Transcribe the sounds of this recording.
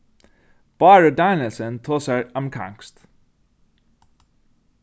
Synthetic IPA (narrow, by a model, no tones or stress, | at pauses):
b̥ɑːɹəd̪ɑɪnəlsənt̪ʰoːsəɹəmkʰa̰ŋkst̪